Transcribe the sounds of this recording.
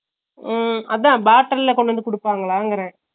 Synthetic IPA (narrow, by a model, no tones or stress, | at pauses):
ɐðãːbaːʈːɐlɪlɐkɔɳɖʋɐnd̪ɯkʊɽɯpːaːŋɡɐɭaːɪŋɡɐɾɛ̃ː